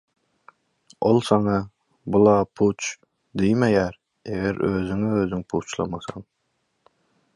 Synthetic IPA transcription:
olˠsɑŋɑ | bulˠɑːpʰut͡ʃ | d̪ijmɛɡæɾ | eɡʲæɾøzɪŋɪøzɪŋpʰut͡ʃlˠɑ̰mɑsɑŋ

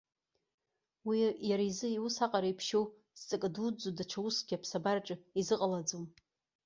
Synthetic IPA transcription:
wijaɾaizɨiwusaqʼaɾaipʰʃow | zt͡sʼɨkʼdud͡zodaʈ͡ʂʷʰawusɡʲapʰsabarʈ͡ʂʼɨizɨqʼalad͡zom

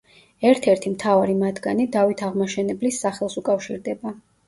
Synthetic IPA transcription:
ɛɾt̪ʰɛɾt̪ʰimt̪ʰavaɾimad̪ɡanid̪avit̪ʰaʁmaʃɛnɛblisːaχɛlˠsukʼafʃiɾd̪ɛba

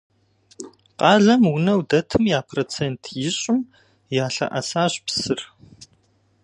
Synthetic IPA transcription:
qɑːɮɐmwʊnɐwdɐtʰɨmjaːpʰroːt͡sʰeːntʰjɪɕʼɪm | jaːɬɐ̰ʔɐ̰saːɕpsɨr

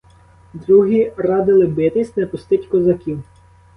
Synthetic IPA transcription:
d̪ɾuɦʲirɑd̪ɪlˠɪbɪt̪ɪsʲnɛpʊst̪ɪtʲkɔzɐkʲiw

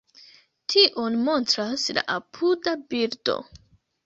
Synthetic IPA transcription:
tʰiʔo̞nmo̞ntɾasla̰ʔapʰudabiɾdo̞̰

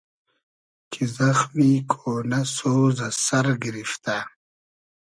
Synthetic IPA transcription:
kʰizɐxwiːkʰoːnaɐsozasɐɾɡiɾift̪a

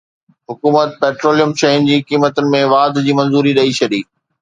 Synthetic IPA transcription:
ɦʊkuːmət̪̚peːʈɾoːlijəmʃɐɪnd͡ʑiːkiːmət̪ʊnɪ̆mẽʋaːd̪d͡ʑiːmɐ̃nzuːɾiɗɐit͡ɕʰɐɗiː

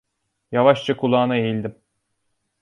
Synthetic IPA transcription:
javaʃt͡ʃʰakʰulˠaːnaejilʲd̪im

